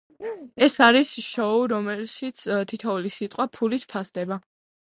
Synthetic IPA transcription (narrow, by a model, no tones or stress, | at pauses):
ɛsaɾisʃɔuɾɔmɛlʃit̪sʰt̪ʰit̪ʰɔulisit̪ʼqʼwapʰulispʰasd̪ɛba